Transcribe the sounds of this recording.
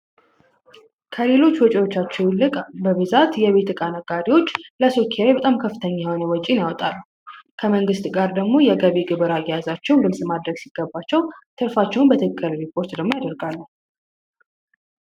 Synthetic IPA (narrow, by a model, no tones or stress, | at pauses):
kʰəle̞lo̞t͡ʃːwɔt͡ʃʼiwo̞t͡ʃːat͡ʃːɛwɨkʼbəβɨzat̪jɛβe̞t̪ɨkʼanəɡaɾiwo̞t͡ʃːləsokʰeajbət̪ʼamkʰəfːɨt̪ʰəɲːahonəwɔt͡ʃʼinjawɔt̪ʼalːu | kʰəməŋɡɨst̪ɡaɾd̪əɡmo̞jɛɡəβiɡɨβəɾajjazat͡ʃːɛwnɡɨlsʼmad̪ɾəɡsiɡ̥ːəbːat͡ʃːɛwt̪ʰɨɾfat͡ʃːɛwnbət̪ʰɨkʰʼːəɾɾipʰo̞ɾt̪d̪əɡmo̞jad̪əɾɡalːə